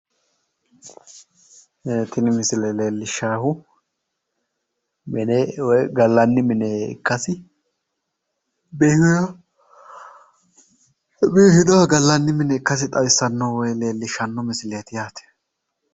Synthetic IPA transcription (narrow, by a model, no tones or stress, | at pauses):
ɛt̪ɪnɪmɪsɪlɛleːlːɪʃːaːhʊ | mɛnɛwɔjɡɐlːɐnːɪmɪnɛɪ̰kːɐsɪ | beːhʊjɔ | biːhɪd̪ɔwɡɐlːɐnːɪmɪnɛɪkːɐsɪt̪ʼɐwɪsːɐnːɐwɔjle̞ːlːɪʃɐnːɔmɪsɪleːt̪ɪjaːt̪ɛ̥